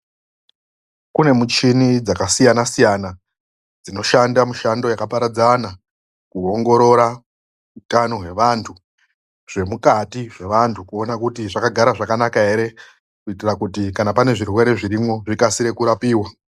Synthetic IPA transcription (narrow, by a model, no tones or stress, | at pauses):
kune̞mut͡ʃinid͡zakasijanasijana | d͡zino̞ʃandamuʃando̞jakapaɾad͡zana | kuoŋɡo̞ɾo̞ɾa | utano̞ɦwe̞ʋantʰu | ʐ̥e̞mukatiʐe̞ʋantʰukuo̞nakutiʐakaɡʱaɾaʐakanakaɦe̞ɾe̞ | kuitirakutikanapane̞ʐirwe̞ɾe̞ʐiɾimwo̞ʐikasiɾe̞kuɾapiːwa